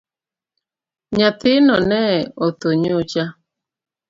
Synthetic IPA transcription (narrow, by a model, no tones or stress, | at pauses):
ɲatɪnɔnɛot̪oɲot͡ʃa